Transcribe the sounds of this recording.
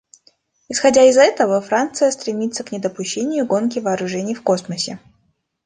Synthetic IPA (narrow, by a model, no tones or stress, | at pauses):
ɪsxɐdʲaɪzɛt̪əvəfɾant̪sɨjəst̪ɾʲɪmʲit̪səknʲɪd̪əpʊɕːenʲɪjʊɡo̞nkʲɪvɐːɾʊʐɛnʲɪjfko̞sməsʲɪ